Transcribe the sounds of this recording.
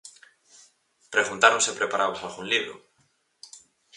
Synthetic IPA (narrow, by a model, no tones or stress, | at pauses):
pɾeɣ̞unt̪aɾõnsepɾepaɾaβosalɣuŋliβɾo̰